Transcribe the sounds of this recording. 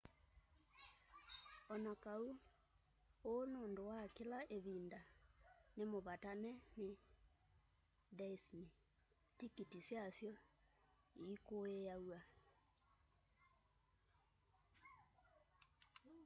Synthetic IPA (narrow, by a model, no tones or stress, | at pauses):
ɔnakau | onoːndowakelaʔeβindanemoβatanɛne | dɛsni | tikitisjasjɔ | iːkoejawa